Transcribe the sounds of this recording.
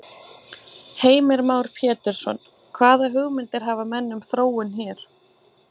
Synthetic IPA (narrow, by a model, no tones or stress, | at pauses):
heːjmɪɾmaːwɾ̥pʰjɛːt̪ɛɾ̥sɔ̰n | kʰvaːðaɦʏɣmɪnt̪ɪɾ̥ɦaːvamɛnːʏmθɾoːwʏnçɛːɾ̥